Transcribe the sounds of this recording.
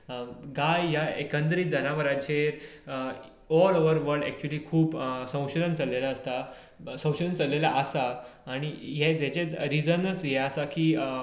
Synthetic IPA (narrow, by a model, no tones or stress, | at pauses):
ɡajjaekə̃nd̪ɾiːt̪̚d͡zənaʋəɾat͡ɕeɾ | ɔloʋəɾʋəɾɖɛk̚t͡ɕuəliːkʰuːpsə̃w̃ɕd̪ənt͡səlːelaːst̪a | sə̃w̃ɕəd̪ənt͡səlːelaʔəsaːɽ̃iɦed͡zet͡ɕet͡sɾid͡zənət͡sɦɛəsakiː